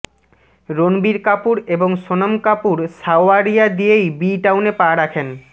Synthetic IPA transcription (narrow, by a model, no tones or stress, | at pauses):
ɾonbiɾkapuɾeboŋʃonomkapuɾsaoaɾijad̪ijejbiʈawnepaɾakʰen